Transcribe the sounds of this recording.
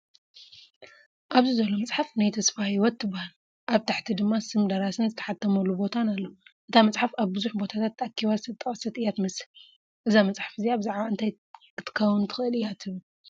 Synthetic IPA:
ʔaβzɨzɐlo̞mɐt͡sʼħafnajt̪ʰɐsfajɪwɔt̪ːɨbːahal | ʔaβt̪ʰaħt̪ʰid̪ɨmːasɨmd̪ɐɾasɨnzɨt̪ʰɐ̥ħat̪ʰːɐmɐlːubo̞t̪ʰanalːɐɨt̪ʰamɐt͡sʼħafaβbɨzuħbo̞t̪ʰat̪ʰat̪ːakʰːiβazɨsʰɐt̪ʼːɐχʼɐsːɐt̪ɨjat̪mɐsɨl | ʔɨzamɐt͡sʼħḁfɨziaβzaʕβaɨnt̪ʰaj | ɨt̪ʰɨ̥kʰɐwunt̪ʰɨ̥xʔɨlijat̪ʰɨβl

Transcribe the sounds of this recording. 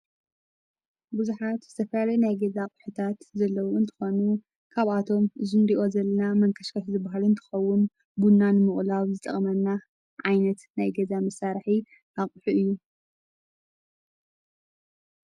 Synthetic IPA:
buzuħat̪zɨt̪ʰɐfɐlalɐjnajɡɐzaqʼħut̪ʰat̪zɐlːɐwoɨnt̪ʰɨ̥xo̞nu | kʰaβʔat̪ʰo̞mɨzɨnɾiʔo̞zɐlːɐnamɐŋkʰɐʃkʰɐʃzɨbaɦalɨnt̪ʰɨ̥xɐwːʊn | bunːanmɨχʼlaβzɨt̪ʼɐ̰χʼmɐnːa | ʕajnɐt̪najɡɐzamɐsaɾħi | ʔakʼħuʔɨjːu

